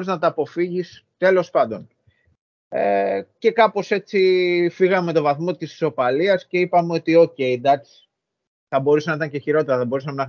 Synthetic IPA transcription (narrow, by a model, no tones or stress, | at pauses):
ɾiznɐt̪ɐːpo̞fiʝist̪e̞lo̞spɐnd̪o̞n | ece̞kɐpo̞se̞t͡ssifiɣɐmme̞t̪o̞vɐθmo̞t̪isso̞pɐliɐsce̞ipɐmeo̞t̪io̞ce̞id̪ɐs | θɐbo̞ɾusenɐit̪ɐɲceçiɾo̞t̪e̞ɾɐθɐbo̞ɾusɐmenɐ